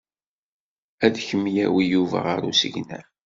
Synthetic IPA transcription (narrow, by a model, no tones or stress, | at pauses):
æðçəmːjæwijuvæ̰ʁaɾusəʝnæ